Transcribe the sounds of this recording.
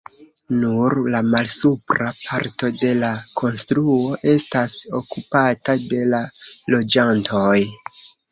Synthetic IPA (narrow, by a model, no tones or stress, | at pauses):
nuɾlamalsupɾapʰaɾto̞de̞lakʰo̞nstɾuo̞ʔe̞staso̞kupatade̞lalo̞d͡ʒantʰo̞j